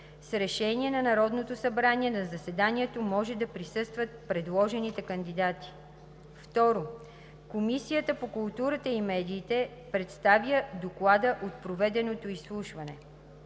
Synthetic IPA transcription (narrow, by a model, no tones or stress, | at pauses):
sɾɛʃɛniɛnɐnɐɾɔd̪not̪osɐbɾanʲiɛnɐzɐsɛd̪aniɛt̪omɔʒɛd̪ɐpɾisɤst̪vət̪̚pɾɛd̪lˠɔʒɛnit̪ɛkɐnd̪id̪at̪i̥ | ft̪ɔɾo | komisijət̪əpokulˠt̪uɾət̪əimɛd̪iːt̪ɛ | pɾɛt̪st̪avjəd̪oklˠad̪əʔot̪̚pɾovɛd̪ɛnot̪oislˠuʃvɐnɛ